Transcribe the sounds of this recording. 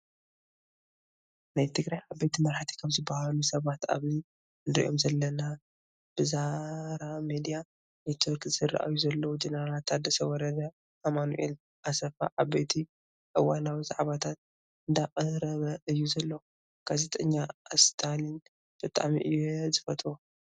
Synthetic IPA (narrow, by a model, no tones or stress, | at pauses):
najt̪ʰɨɡɾajʕabejt̪ʰimɐɾħat̪ʰi̥kʰɐmzɨbːahalusɐβat̪a̰βzi | ɨnd̪ɾḭʔo̞̰mzɐlːɐna | b̥ɨzaɾamed̪ija | net̪ʰoɾkz̥ɨrːɨʔa̰juzɐlːɐwud͡ʒenɐɾalat̪ad̪ːɐsɐwɔɾɐd̪ɐ | amanṵʔḛl | ʔasɐfa̰ʕabejt̪ʰi | ʔɨwanawizaʕβat̪ʰat̪̚ | ɨnd̪aqʼɐɾɐβɐʔɨjːuzɐlːɐw | ɡ̥azet̪ʼɐɲːast̪ʰalin | b̥ɨt̪ʼa̰mḭʔɨjezɨfɐt̪ʼo